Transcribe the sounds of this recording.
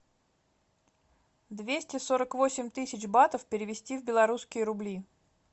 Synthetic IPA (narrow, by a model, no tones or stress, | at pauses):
d̪vʲesʲtʲɪsoɾəkvosʲɪmʲt̪ɨsʲɪt͡ɕbat̪əfpʲɪɾʲɪvʲɪsʲtʲivbʲɪlˠɐɾuskʲɪjəɾʊblʲi